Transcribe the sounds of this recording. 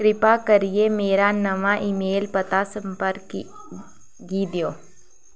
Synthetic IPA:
kɾɪpakɐɾiemeːɾanɐʋaʔɪmeːlpɐt̪asəmpəɾk | ɡiːd̪joː

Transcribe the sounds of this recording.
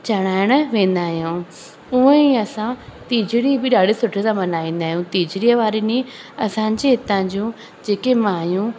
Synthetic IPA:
t͡ɕɐɽ̃aːɪɽ̃ʋẽːn̆d̪aːɦijũ | ʊə̃iɐsãt̪iːd͡ʑɪɽibɪɗaːɽesʊʈʰesãmɐnaːĩːn̆d̪aːɦijũt̪iːd͡ʑɾijəʋaːɾenĩ | ɐsãːɲd͡ʑeɪt̪ãd͡ʑũː | d͡ʑeːkemaːjũ

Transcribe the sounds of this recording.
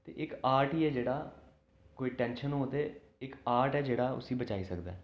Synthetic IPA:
t̪ḛːʔɪkaːɾʈiːɛːd͡ʒeːɽaː | koːiːʈɛ̃ːnʃənɦoːd̪eː | ɪkaːɾʈɛːd͡ʒeːɽaːʊ̰sĩːbət͡ʃaːiːsəkd̪a̰ː

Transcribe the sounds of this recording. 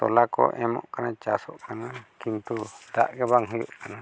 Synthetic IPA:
t̪ɔ̰lakɔ̰ʔɛmɔ̰ʔkanat͡ʃasɔʔkanakint̪uda̰ʔɡɛbaŋɦujuʔkana

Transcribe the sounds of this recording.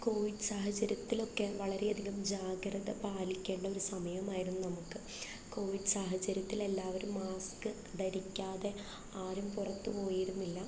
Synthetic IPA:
ko̞ːʋiɖɨsaːɦɐt͡ɕːɐɾjɐt̪ːilo̞kːe̞ʋɐɭɐɾe̞ɐd̪ʱiɣɐmd͡ʑaːɡɾɐðɐpaːlikʲːe̞ːɳɖɐo̞ɾusɐmɐjɐmaːjiɾunːunɐmukːɨ | ko̞ːʋiɖɨsaːɦɐt͡ɕːɐɾjɐt̪ːile̞lːaːʋɐɾumːaːskɨ | d̪ɐɾikʲːaːðe̞ | aːɾumpurɐt̪ːɨpo̞ːjiɾunːilːɐ

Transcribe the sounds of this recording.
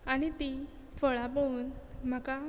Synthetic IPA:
aɽ̃it̪i | fəɭapəuːnm̤aka

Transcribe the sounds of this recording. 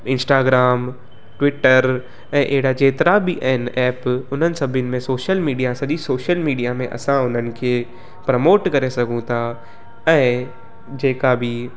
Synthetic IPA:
ɪ̃nsʈaːɡɾaːm | ʈwɪʈəɾ | ɛ̃ːʔeɦɪɽad͡ʑeːt̪ɪɾabɪʔɐɦɪnʔɛːpʊn̤ənɪ̆sɐbʱənɪ̆mẽsoːʃəlmiːɖijasɐʄisoːʃəlmiːɖijamẽʔɐ̰sãʊn̤ənɪ̆kʰe | pɾɐmoːʈkɐɾesɐɡʱũt̪ʰa | ɛ̃ː | d͡ʑeːkabɪ

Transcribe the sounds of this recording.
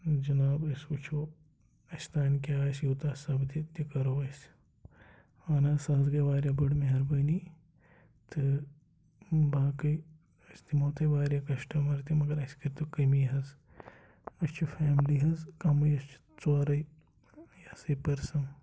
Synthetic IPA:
d͡ʒɐnaːbɐsut͡ʃʰoː | ɐst̪aːnkʲaːsjuːt̪aːsɐbd̪it̪ikɐɾoːɐs | aːnaːsɐːzɡɐjʋaːɾjabɐɽmiɦɐɾbɐni | t̪ʰɨ | baːkɐj | ɐst̪imoːt̪ɐʋaːɾjakɐʃʈɐmɐɾt̪imɐɡɐɾɐskɐɾt̪ɨkɐmiːɦɐz | ɐst͡ʃʰufʰaːmliːɦɐzkamɐjɐst͡ʃʰ | t͡soːɾɐj | jasipɐɾsɐn

